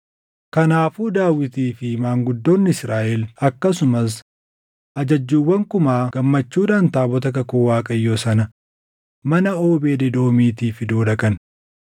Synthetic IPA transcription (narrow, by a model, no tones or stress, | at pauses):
kɐnaːfuːd̪aːwɪt̪iːfɪmaːŋɡʊd̪ːo̞ːnːɪɪsɾaːʔɛlɐkːɐsʊmɐs̬ | ʔɐd͡ʒɐd͡ʒːuːwːɐŋkʊmaːɡ̥ɐmːɐt͡ʃːuːᶑaːnt̪aːbɔt̪ɐkɐkoːwaːkʼɐjːo̞ːsɐnɐ | mɐnɐoːbe̞ːd̪ɛd̪o̞ːmiːt̪iːfɪd̪oːᶑɐkʼɐn